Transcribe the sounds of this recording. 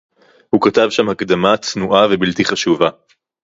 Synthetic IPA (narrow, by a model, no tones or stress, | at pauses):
hukat̪avʃamhakd̪amat̪nuʔavebilt̪iχaʃuva